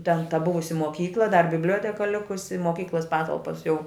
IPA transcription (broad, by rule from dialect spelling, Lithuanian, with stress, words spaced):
tʲɛn tɐ ˈbʊʋʊsʲɪ moːˈkʲiːklˠɐ dɐr bʲɪbʲˈlʲoːtʲɛkɐ ˈlʲɪkʊsʲɪ moːˈkʲiːklˠɐs ˈpɑːtɐlˠpɐs jɛʊ